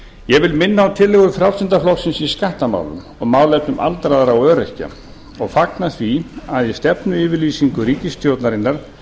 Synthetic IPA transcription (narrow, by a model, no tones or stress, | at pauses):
jɛɣvɪlmɪnːaːwt̪ʰɪlːɛɣʏɾfɾawsɪnt̪aflɔwsɪnsiskaht̪ama̰wlʏ̰m | ɔɣmaːwlɛp̪nʏmʔa̰lt̪ɾaðaɾawœːɾɛhca̰ | ɔɣfaknaθviaðjɛst̪ɛpnʏɪːvɪliːsiŋkʏɾiːcɪst̪ʰjowt̪naɾɪnːaɾ̥